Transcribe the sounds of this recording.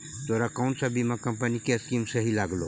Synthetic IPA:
t̪oːɾakaʊ̃nʈsabimãkɐ̃mpənikeɐskimsɐɦilaːɡloː

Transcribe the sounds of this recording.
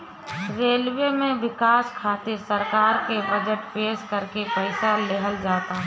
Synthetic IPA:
ɾeːlʋemẽʋɪkaːskʰaːt̪ɪɾsəɾkaːɾkebəd͡ʒəʈpeːʃkəɾkepəɪsaleɦəld͡ʒaːt̪aɦ

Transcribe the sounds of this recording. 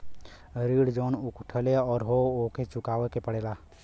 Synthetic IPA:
ɾiːɽd͡ʒoːnʊkʊʈʰəleɔːɾɦooːket͡ʃʊkaːʋekepəɽeːlaː

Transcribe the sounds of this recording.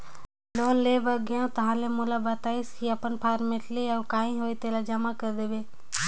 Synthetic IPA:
loːnleːʋəɡjãt̪ɐɦãːlemũlabət̪aːiskiɐpənpʰaːɾmeʈleɔːkaːĩɦoːit̪eːlad͡ʒəmakəɾd̪eʋeː

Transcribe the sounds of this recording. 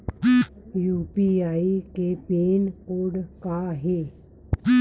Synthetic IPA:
juːpiaːikepeːnoːɖkaɦeː

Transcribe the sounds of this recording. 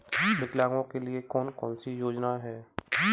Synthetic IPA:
bɪklaːɡõkeliekɔːnkɔːnsijoːd͡ʒnaɦɛː

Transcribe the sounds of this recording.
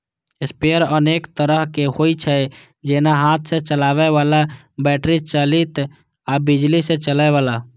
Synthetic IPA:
espejəɾəneːkt̪əɾəɦkehoit͡ʃʰɛ | d͡ʒenaɦat̪̚ʰsẽt͡ʃəlaːʋɛʋala | bɛʈɾit͡ʃəlit̪ | abid͡ʒlisẽt͡ʃəlaeʋaːla

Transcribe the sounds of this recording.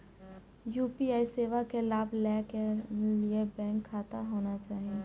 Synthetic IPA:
juːpiaːiseːʋakelaːbʱlɛːkeliebɛ̃ːŋkʰːaːt̪aɦoːnat͡ʃaːɦie

